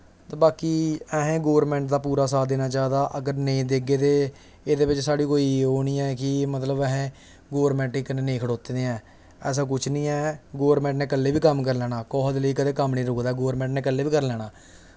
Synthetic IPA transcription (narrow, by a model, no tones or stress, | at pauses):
t̪aːbaːkiːɛːɦẽːɡoːəɾmɛ̃ːɳʈd̪aːpuːɾaːs̬aːd̪eːnaːt͡ʃaːd̪aːʔəɡəɾneĩːd̪eːɡeːd̪eː | eːd̪eːʋɪt͡ʃsaːɽiːkoːiːɦoːniːɛːkɪmət̪ləbɛːɦẽː | ɡoːɾmɛ̃ːɳʈɪkəneːnẽːkʰəɽoːt̪eːd̪eːɛ̃ː | ɛːs̬aːk̬ʊt͡ʃʰnĩːɛːɡoːəɾmɛ̃ːɳʈnẽːkəlːeːbiːkəmkəɾlɛːɽaːkɔːɦd̪ləiːkəd̪eːkəmnĩːɾʊːkd̪aːɛːɡoːəɾmɛ̃ːɳʈneːkəlːeːʋiːkəɾlɛːɽ̃aː